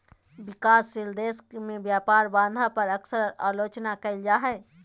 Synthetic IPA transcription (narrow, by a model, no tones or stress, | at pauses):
bikaːsːild̪eskmebjapaɾbãnd̪ʱapəɾəksəɾa̰ːlot͡ʃnakəɪld͡ʒaːɦɛ